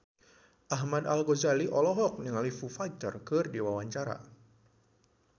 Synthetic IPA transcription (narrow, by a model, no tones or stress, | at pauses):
ʔaɦmadalɡozaliʔɔlɔɦɔk̚niŋalifufajt̪ərkɨrdiwawaɲt͡ʃaɾa̰